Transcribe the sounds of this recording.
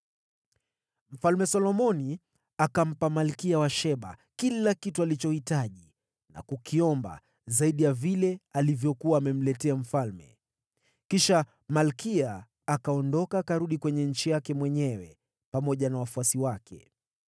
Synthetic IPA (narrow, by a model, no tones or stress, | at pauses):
m̩falmɛsɔlɔmɔni | akam̩pamalkiawaʃɛɓa̰kilakitualit͡ʃɔhitaʄi | na̰kukiɔmba̰ | zaiɗijavilɛalivjɔkuaːmɛm̩lɛtɛam̩falmɛ̰ | kiʃa | malkiaː | kaɔndɔkaːkaɾuɗikwɛɲɛɲ̩t͡ʃijakɛmwɛɲɛwɛ̰ | pamɔʄanawafuasiwakʰɛ̰